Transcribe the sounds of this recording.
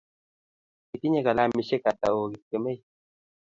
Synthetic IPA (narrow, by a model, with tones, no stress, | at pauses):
i˨t̪i˦ɲe˦ka˨la˦mi˧ʃe˦ka˨t̪a̰˨o˨ɡi˨kːə˨me˦j